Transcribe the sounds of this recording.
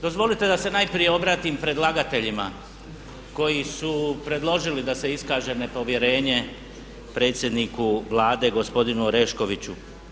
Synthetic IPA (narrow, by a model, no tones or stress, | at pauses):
d̪o̞zʋo̞lit̪e̞d̪ase̞najpɾije̞o̞bɾaːt̪impɾe̞d̪lˠaɡat̪e̞ʎima | ko̞jisupɾe̞d̪lˠo̞ʒilid̪ase̞iskaːʒe̞nepo̞ʋje̞ɾe̞ːɲe̞ | pɾe̞ːt̪sje̞d̪nikuʋlaːd̪e̞ɡo̞spo̞d̪inuɾe̞ʃko̞ʋit͡ɕu